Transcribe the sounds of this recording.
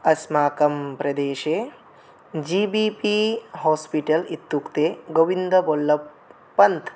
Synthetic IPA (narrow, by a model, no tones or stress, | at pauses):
ɐsmaːkɐmpɾɐd̪eːʃeː | d͡ʒiːbiːpiɦoːspiʈɐlit̪ːukt̪eːɡoʋind̪ɐbolːɐpː | ɐnt̪ʰ